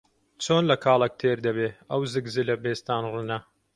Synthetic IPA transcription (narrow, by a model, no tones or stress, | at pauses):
t͡ʃʰoːnlɐkʰaːlˠɐk̚t̪ʰeːɾd̪ɐbeːɐwzɨɡzɨlɐbeːst̪aːnrunɐ